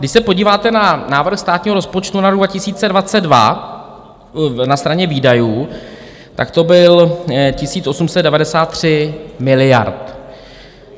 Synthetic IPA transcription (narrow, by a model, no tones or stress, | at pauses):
dɪʃsɛpoɟiːvaːt̪ɛnanaːvɾ̩xst̪aːt̪ɲiːɦoɾospo̞t͡ʃt̪unaɾoɡvacɪsiːt͡sɛdvat͡sɛddva̰ | nast̪ɾaɲɛviːdajuː | t̪a̰kt̪o̞bɪlcɪsiːt͡sʔo̞sumsɛd̪dɛvadɛsaːt̪ːr̝̥ɪmɪlɪja̰ɾt̪